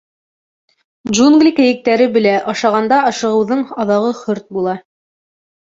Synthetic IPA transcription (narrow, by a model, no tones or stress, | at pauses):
d͡ʒunɡlʲikɘ̆jɘ̆k̚t̪æɾɘbɘ̆læʔɑʃɑʁɑnd̪ɑɑʃɤ̆ʁɤ̆wðɤɴɑðɑʁɤχɵɾt̪̚bulˠɑ